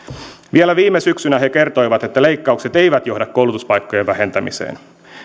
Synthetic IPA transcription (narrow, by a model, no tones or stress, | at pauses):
ʋielæʋiːmːesyksynæɦe̞ke̞rt̪o̞jʋɑt̪e̞t̪ːæle̞jkːɑukset̪e̞jʋæt̪jo̞ɦdɑkːowlut̪uspɑjkːo̞jeʋʋæhe̞nt̪æmḭsḛːn